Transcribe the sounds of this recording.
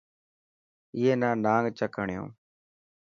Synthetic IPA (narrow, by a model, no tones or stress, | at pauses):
ɪːeːnaːnaːŋɡt͡ʃəkəɳɪjõ̰ː